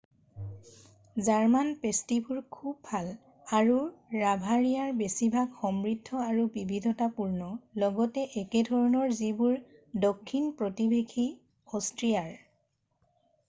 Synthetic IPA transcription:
zaɹmanpestibuɹkʰub̚pal | aɹuɹabʱaɹijaɹbesibʱaɡxɔmɹidʱːɔaɹubibʱidʱɔtapuɹnɔlɔɡɔtɛʔɛkɛdʱɔɹɔnɔɹzibuɹdɔkʰːinpɹɔtibʱekʰi | ɔstɹijaɹ

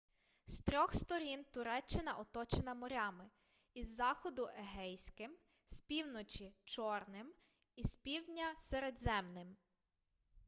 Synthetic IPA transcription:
st̪ɾʲɔxst̪ɔɾʲint̪ʊɾɛt͡ʃːɪnɐʔɔt̪ɔt͡ʃenɐmɔɾʲɑmɪ | izːɑxɔd̪ʊʔeɦɛjsʲkɪm | spʲiwnɔt͡ʃit͡ʃɔrnɪm | ispʲiwdʲnʲɐseɾed̪zɛmnɪm

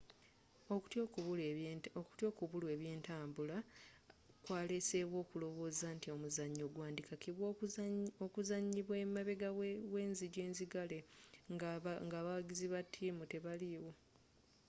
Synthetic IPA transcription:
otβuloku̥tjo̞ːkuβulwe̞ːβjeːntaːmbula | kwaːlese̞ːβwo̞ːkulo̞βo̞ːzantio̞muzaɲːo̞ɡwaːndikakiβwookuzaɲːiβwe̞mːaβe̞ɡawe̞ːnziɟe̞ːnziɡale̞ | ŋɡaβaɡiziβatʰːiːmute̞βaliwo̞

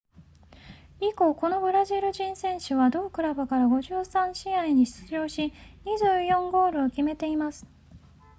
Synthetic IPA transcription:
iko̞ko̞no̞bɯ̟ɾaʑiɾɯ̟ʑĩɰ̃sẽ̞ɰ̃ɕɯβad̪o̞ːkɯ̟ɾabɯkaɾaɡo̞ʑɨːsãɰ̃ɕiaiɲ̟iɕt͡sɨʑo̞ːɕiɲ̟iʑɨːjõ̞ŋɡo̞ːɾɯ̟okʲime̞t̪e̞imasɨ̥

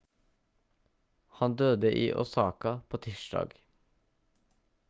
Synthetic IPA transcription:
hɑnd̪øːd̪əʔḭːʔɔsɑːkɑpʰoːt̪ʰiːʃɖɑ̰ːɡ

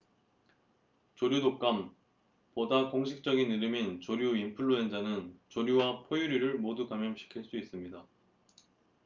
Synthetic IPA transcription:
t͡ɕoɾjudok͈am | podakoŋɕʰik̚t͡ɕ͈ʌɡiniɾɯmint͡ɕoɾjuimpʰuɭːoend͡ʑanɯnt͡ɕoɾjuwapʰojuɾiɾɯɭmodukamjʌmɕʰi̥kʰiɭs͈uis͈ɯmɲida

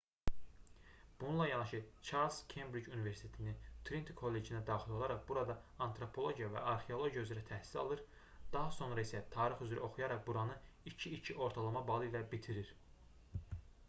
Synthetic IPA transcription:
b̥ununlˠɑjɑnɑʃɯt͡ʃʰɑlskʰembɾid͡ʒuniveɾsit̪ʰe̞t̪ʰinit̪ʰɾint̪kʰo̞lːe̞d͡ʒinæd̪ɑːχilˠo̞lˠɑɾɑqbuɾɑd̪ɑɑnt̪ʰɾo̞pʰo̞lˠo̞ɟijɑvæ̰ʔɑɾχeo̞lˠo̞ɟjayzeɾæt̪ʰæhsi̥sɑ̰lˠɯɾ | d̪̥ɑɦɑso̞nɾɑisæt̪ʰɑːɾiχyzɾy̰o̞χujɑɾɑqbuɾɑnɯ | it͡ʃʰiit͡ʃʰiʔo̞ɾt̪ʰɑlˠɑmɑbɑlˠɯilæbit̪ʰiɾiɾ

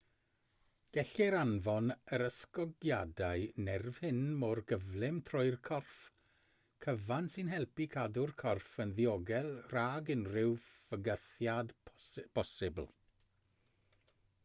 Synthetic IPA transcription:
ɡ̥ɛɬɪɾanvɔnəɾəskɔɡjadaɨnɛrv̥hɪnmɔrɡəvlɪmtʰrɔɨrkʰɔrf | kʰəvansɪnɦɛlˠpikʰadʊrkʰɔrfənðiɔɡɛlˠraːɡɪnrɪwvəɡəθjadb̥ʰɔsɪbl̩ˠ

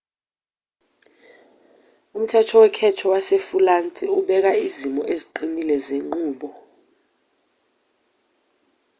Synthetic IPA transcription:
um̩tʰɛtʰɔwɛkʰɛtʰɔwasefulantʼiuɓɛk̬aizimɔ̰ʔeziǃinilɛzeŋ͡ǃuːɓɔ

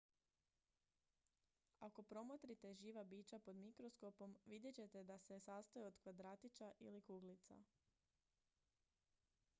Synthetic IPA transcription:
ako̞pɾo̞mot̪ɾit̪e̞ʒiːʋabiːt͡ɕapo̞d̪mikɾo̞sko̞po̞mʋid̪jet͡ɕe̞t̪e̞d̪ase̞sast̪ajeod̪kʋad̪ɾaːt̪it͡ʃaʔḭlikuːɡlit̪sa̰

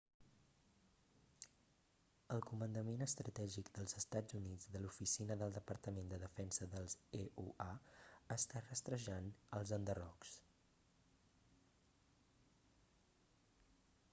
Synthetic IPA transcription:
əlˠkumənd̪əmenəst̪ɾət̪ɛʒikd̪əlˠzəst̪ad͡zunid͡zðəlufisinəðəlˠd̪əpəɾt̪əmend̪əðəfɛnsəðəlˠzeʔuʔaəst̪arəst̪ɾəʒanəlˠzənd̪ərɔks

